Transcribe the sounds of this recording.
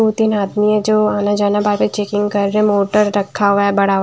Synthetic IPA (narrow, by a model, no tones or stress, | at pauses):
oːt̪inaːd̪miɛd͡ʒoːaːnad͡ʒaːnabaːɾpet͡ʃeːkɪ̃ŋɡkɐɾːeɦɛ̃moːʈəɾːɐkʰːaɦuʋaɛbɐɽaɦ